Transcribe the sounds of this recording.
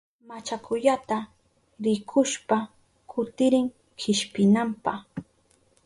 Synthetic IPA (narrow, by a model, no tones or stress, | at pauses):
mat͡ʃakʊʎat̪a | ɾɪkʰʊʃpa | kʰʊt̪ɪɾɪŋ | hɪʃpɪnampaχ